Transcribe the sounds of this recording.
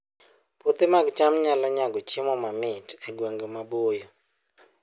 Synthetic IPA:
pot̪emaɡt͡ʃamɲalɔɲaɡɔt͡ʃɪmɔmamɪtɛɡweŋɡemabojo

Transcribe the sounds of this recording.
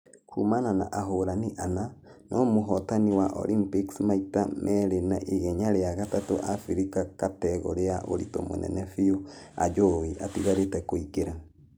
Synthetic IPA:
kʰumanana̰ʔaɦoɾaniʔananʔɔmoɦɔtaniwaʔɔ̰limpiksmaitamʔɛɾenaʔiɣɛɲaɾeaɣatatoʔafiɾikakatɛɣo̰ɾeaʔoɾḭto̰mo̰nɛ̰nɛfioa̰d͡ʒoiʔatiɣaɾetɛkoikeɾa

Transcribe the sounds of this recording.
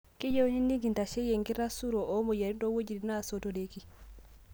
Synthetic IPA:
kid͡ʒɛwhinːiŋɡintaʃɛjɛŋɡiɾasuɾɔʔɔmɔjaniɗɔwod͡ʒidinasɔtɔdeki

